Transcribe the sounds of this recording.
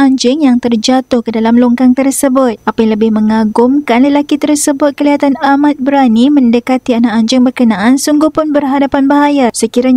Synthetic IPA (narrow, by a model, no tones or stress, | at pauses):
aɲd͡ʒɪŋjaŋt̪ərd͡ʒat̪ʊhkədalamluŋkaŋt̪ərsəbʊt̪̚ʔapaləbɪhmə̃ŋaɡʊmkanləlakit̪ərsəbʊt̪̚kəliɦat̪anamat̪̚bɾanimə̃ndəkat̪ianaʔaɲd͡ʒɪŋbərkənãʔansuŋɡuhpʊnbərɦadapanbaɦajasəkiɾa